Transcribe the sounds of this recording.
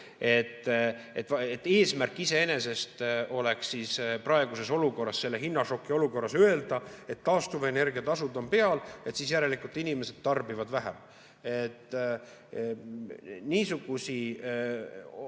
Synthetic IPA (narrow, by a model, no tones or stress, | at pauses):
e̞t̪ːḛt̪ːˑet̪ːe̞ːsmærkːˑise̞e̞ne̞se̞st̪o̞le̞ksiːsprɑeɡ̥use̞so̞luko̞rːɑsse̞lːe̞ɦinːɑʃo̞kˑːio̞luko̞rːɑsøe̞ld̪̥ɑe̞t̪ːɑːst̪uvene̞rɡ̥iɑt̪ɑsud̪o̞mpe̞ɑle̞t̪siːs̬jæɾe̞likult̪inime̞se̞d̪̥t̪ɑrbivɑd̪̥væɦem | et̪ː | niːsuɡ̥usi